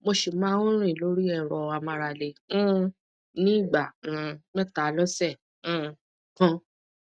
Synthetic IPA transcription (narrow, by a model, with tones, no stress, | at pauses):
mo˧ʃi˨mã˨˦ũ˦ɾ̃ĩ˦˨lo˨˦ɾi˦ɛ˦˧˨ɾɔ˧a˧mã˧ɾa˧lẽ˧˨˦ | nĩ˦i˦˨ɡ͡bã˨mɛ˦ta˨˦lɔ˦sɛ̃˦˨˧ | kɔ̃˧˦